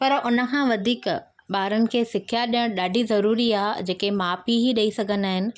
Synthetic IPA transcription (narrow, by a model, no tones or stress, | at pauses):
pɐɾʊnə̆kʰãʋɐd̪ʱiːk | ɓaːɾənɪ̆kʰeːsɪkʰjaɗijəɽ̃ɗaːɖʱizɐɾuːɾiaːɦd͡ʑeːkemaːpiɦiɗɐisɐɡʱənɪ̆aːɦɪnɪ̆